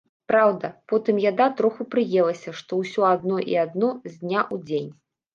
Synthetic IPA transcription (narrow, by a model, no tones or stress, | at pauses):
pɾawd̪ɐpɔt̪ɨmjanat̪ɾɔxupɾɨjɛlˠɐsʲɐʂt̪ɔwsʲɔad̪nɔʔḭad̪nɔzʲd̪nʲaʔud͡zʲenʲ